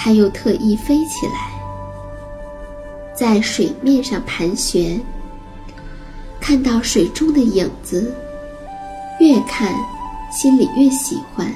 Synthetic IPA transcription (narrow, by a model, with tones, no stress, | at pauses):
t̪ʰa˥jo˥˧ʊt̪ʰɤ˥˧ʔi˥˩fe˥ɪt͡ɕʰḭ˨˩la̰˧˥ɪ | t͡sa˥˩ɪʂwe˨˩ɪmjɛ˥˧nʂɑ˥˩ŋpʰa˧˥nɕɥɛ˧˥n | kʰa˥˧nt̪ɑ˥˩ʊʂwe˨˩ɪʈ͡ʂʊ˥ŋd̪ə˨ji˨˩ŋd͡zɹ̩˧ | ɥɛ˥˧kʰa˥˩nɕi˥nlḭ˨˩ɥɛ˥˩ɕi˧˥xwa˥n